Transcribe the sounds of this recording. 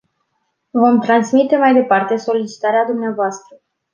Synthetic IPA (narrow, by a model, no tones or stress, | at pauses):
vo̞mt̪ɾansmit̪e̞majd̪e̞part̪e̞so̞lit͡ʃi̥t̪aɾead̪umneavoast̪ɾə